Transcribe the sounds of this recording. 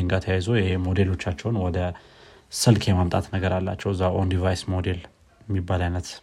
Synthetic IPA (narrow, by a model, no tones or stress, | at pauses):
ɨŋɡat̪ʰəjajzojɛhemo̞d̪e̞lo̞t͡ʃːat͡ʃːɛwnwɔd̪ə | sɨlkʰjemamt̪ʼa̰t̪nəɡəɾalːa̰t͡ʃːɛwɨzːaʔond̪ivajsmo̞d̪e̞l | jɛmːibːalajnət̪